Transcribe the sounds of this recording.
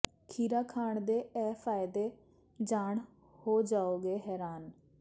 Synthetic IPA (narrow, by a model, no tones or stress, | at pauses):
kʰiːɾaːkʰaːɳd̪eːɛːpʰaːɪd̪eː | d͡ʒaːɳ | hoːd͡ʒaːoːɡeːɦɛːɾaːn